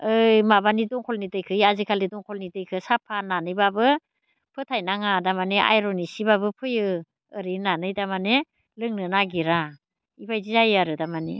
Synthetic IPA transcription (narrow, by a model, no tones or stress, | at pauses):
ɯjmabanidɔŋkʰɔlnitɯjkʰɯjazikʰalidɔŋkʰɔlnitɯjkʰɯsapʰananɯjbabɯ | pʰɯtʰajnaŋadamaneʔa̰jɾɔnisibabɯpʰɯjɯ | ɯɾinanɯjdamane | lɯŋnɯnaɡiɾa | ibajzizajaɾɯdamanḭ